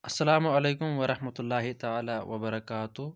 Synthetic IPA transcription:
ʔɐsːɐlaːmʊʕɐleːkʊmwɐɾˤɑħmɐt̪ʊlːaːɦɪt̪aʕaːlaːwʔɐbɐɾˤɐkaːt̪ʊ

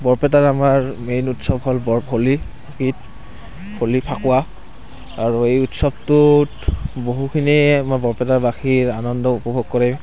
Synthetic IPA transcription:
bɔɹpɛtaɹamaɹmejnutsɔbɦɔlbɔbʰʱoli | kit | bʰʱolipʰakʊwa | aɹuejutsɔbtutboɦukʰiniamaɹbɔɹpɛtaɹbaxiɹanɔndɔupɔbʱoɡ̚kɔɹɛ

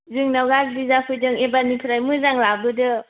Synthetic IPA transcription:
zɯŋnawɡakbizapʰɯjdɯŋebanipʰɯɾajmɯzaŋlabɯdɯ

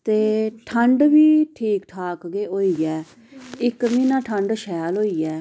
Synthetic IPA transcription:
t̪eːʈʰəɳɖʋiːʈʰiːkʈʰaːkɡeːʔoːiːɛː | ɪkmĩːnãːʈʰəɳɖʃɛːlɦoːiːɛː

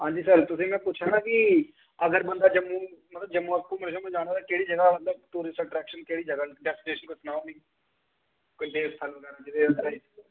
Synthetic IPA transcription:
ɦãːɲd͡ʒiːsəɾt̪ʊsĩːmɛ̃ːpʊt͡ʃʰaːnaːki | əɡəɾbə̃nd̪aːd͡ʒəmːũːmət̪ləb̚d͡ʒəmũːəkːũːməɾʃãmd͡ʒaːɽ̃aːt̪aːkeːɽiːd͡ʒəɡaːmət̪ləb̚t̪uːɾɪsʈəʈɾɛːkʃənkeːɽiːd͡ʒəɡaɖɛːsʈleːʃənkosnaːnĩː | koit̪eːt̪ʰəlɡɛnãd͡ʒɪd̪eəd̪əɾaːiː

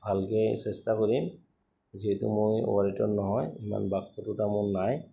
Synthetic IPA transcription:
bʱalkɛjsɛstakoɹim | ziɦɛtṵmʊjɔ̰waɹitɔɹnɔɦɔjima̰nbakʰːɔtʊtamʊɹnaj

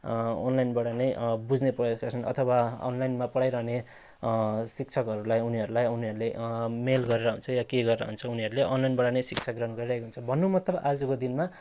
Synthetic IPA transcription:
o̰nlajnbʌɽanʌjbud͡zneprʌjoskat͡sʰʌnʌ̰t̪ʰʌwaʌ̰nlajnmapʌɽajɾʌɦne | sik̚t͡sʰʌkʌɾulajuniɦʌɾulajuniɦʌɾulemelɡʌɾeɾʌɦunt͡sʰʌjakeɡʌɾeɾʌɦunt͡sʰʌuniɦʌɾuleʔonlajnbʌɽanʌjsik̚t͡sʰʌkɡrʌnɡʌɾiɾʌɦekoɦunt͡sʰʌbʱʌnːumʌt̪ːʌbad͡zukod̪inma

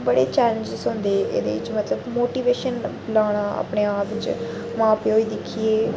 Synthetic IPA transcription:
bəɽḛːt͡ʃɛːlə̃ɲd͡ʒsʊ̃ːnd̪eːʔḛːd̪ḛːɪ̰t͡ʃmət̪ləbmoːʈiːʋeːʃən | laːɽ̃aːa̰pɽeːaːpt͡ʃ | mãːpeːɦoːiːd̪ɪkʰieː

